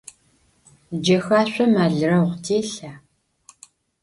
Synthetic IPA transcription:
d͡ʒɐxaːɕʷɐmaːɮɨrɐʁʷtʰeːɬaː

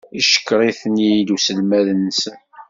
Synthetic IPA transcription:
iʃə̥kːɾˤiθnid̪usəlmæðənːsən

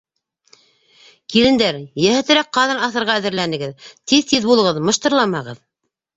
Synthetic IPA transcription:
kilɘ̆nd̪æɾjæhæ̆t̪ɘ̆ɾæk̚qɑðɤnɑθɤ̆ɾʁɑæðɘ̆ɾlænɘ̆ɡɘðt̪iðt̪iðbulˠɤ̆ʁɤðmɤ̆ʃt̪ɤ̆ɾlˠɑmɑʁɤð

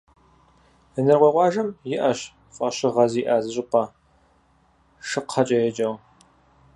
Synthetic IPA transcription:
ɨnɨrʁʷeːʁʷɑːʒɐmjɪʔɐɕ | fʼɐɕɪʁɐziːʔaːzɨɕʼɪpʰʷɐ | ʂɨqʰɐt͡ʃʼɐjɛd͡ʒʼɐw

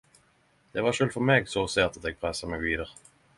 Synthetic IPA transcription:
d̪̥ɛʋɑʁʃøːlfɔʁmeːɡsɔseːʁt̪ɑt̪ɛːɡ̚pʰʁɛsəmɛɡʋiːd̪əʁ

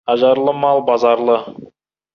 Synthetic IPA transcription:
ɑʒɑɾlˠəmɑlˠbɑzɑɾlˠə

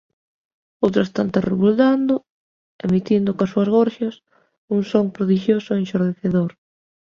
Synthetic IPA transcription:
owt̪ɾʊest̪ant̪ereβuld̪and̪o | emit̪ind̪okasuazɣoɾʃɐs | uŋsoŋpɾoðiʃjosʊenʃoɾðeθeðoɾ

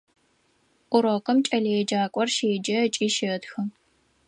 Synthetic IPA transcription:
ʔʷʊɾoqɐmt͡ʃʼɐlɐɛd͡ʒaːkʷʼɔrʃeːd͡ʒɐt͡ʃʼiːʃɪtxɨ

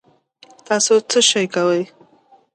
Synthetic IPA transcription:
t̪ɑsot͡səʃajkawəj

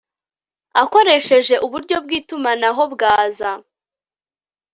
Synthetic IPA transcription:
ako̞ɾe̞ʃe̞ʒe̞ʔuβuɾɟo̞b̚ɡiːtumanaɦo̞bɡaːza

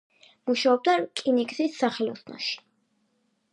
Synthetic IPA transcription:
muʃaɔb̚d̪akʼinikʼsisːaχɛlɔ̰snɔ̰ʃi̥

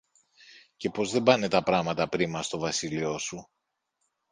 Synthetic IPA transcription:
ce̞po̞zðe̞bɐne̞t̪ɐpɾɐmɐt̪ɐpɾimɐst̪o̞vɐsilio̞su

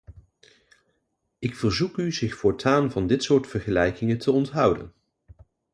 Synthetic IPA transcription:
ʔɪkfəɹzukyzɪχfʊːɹtʰaːnvɑndɪtsʊːɹtfəɹχəlɛjkɪŋətʰəɔntɦʌwdə̰n

